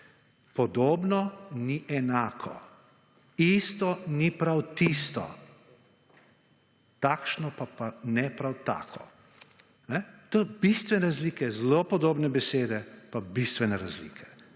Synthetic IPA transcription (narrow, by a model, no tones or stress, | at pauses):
pɔd̪oːbnɔniʔɛnaːkʰɔ̰ | ist̪ɔnipɾawt̪ist̪ɔ̰ | t̪aːkʃnɔpapanɛpɾawt̪a̰ːkʰɔ̰ | nɛt̪obist̪ʋɛnɛɾazliːkɛzlopɔd̪oːbnɛbɛseːd̪ɛpabist̪ʋɛnɛɾazlḭːkʰɛ̥